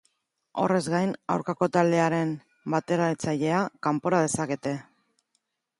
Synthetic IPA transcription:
o̞̰re̞zɣajna̰wɾkako̞t̪ald̪e̞aɾe̞m | bat̪e̞ɾaðet͡saʎe̞akampo̞ɾað̞e̞sake̞t̪e̞

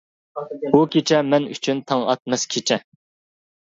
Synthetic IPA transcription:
bukʲʰet͡ʃʰɛmɛny̰t͡ʃʰynt̪ʰɑŋɑ̰t̪̚mɛskʲʰet͡ʃʰɛ

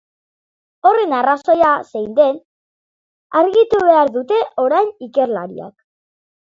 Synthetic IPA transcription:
o̞re̞naraso̞jasejnd̪e̞n | aɾɣit̪uβe̞aɾðut̪e̞ʔo̞ɾajnike̞ɾla̰ɾḭa̰k

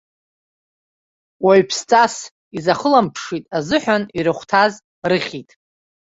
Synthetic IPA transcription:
waɥpʰst͡sʼas | izaχəlampʰʂitʼazɨħʷᶣaniɾɨχʷtʰaz | rɨχʲitʼ

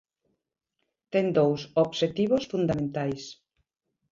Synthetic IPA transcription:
t̪ɛŋd̪owsoβʃet̪iβosfund̪amẽnt̪ajs

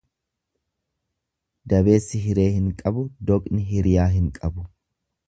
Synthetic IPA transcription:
d̪ɐbe̞ːsːɪɦɪɾe̞ːhɪŋkʼɐbʊd̪ɔkʼnɪɦɪɾɪjaːɦɪŋkʼɐbʊ

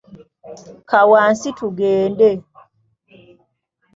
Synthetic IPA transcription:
kawaːnsituɡɛːndɛ

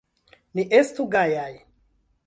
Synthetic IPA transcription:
niʔestuɡajaj

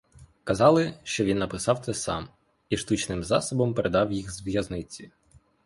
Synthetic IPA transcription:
kɐzɑlˠɪʃt͡ʃɔʋʲinːɐpɪsɑwt̪ɛsɑ̰m | iʃt̪ut͡ʃnɪmzɑ̰sɔbɔmpeɾʔed̪ɑwjixzʋjɐznɪt͡sʲi

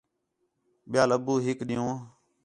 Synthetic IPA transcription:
ɓɪjaːləbuːɦɪkɗɪjõː

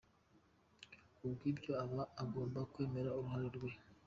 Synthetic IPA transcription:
ubɡiːbɟo̞aβaːɡo̞ːmbakwe̞ːme̞ɾauɾuɦaɾiɾɡwe̞

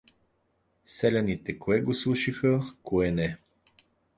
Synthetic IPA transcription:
sɛlʲɛnit̪ɛkʰoɛɡoslˠuʃixəkoɛnɛ

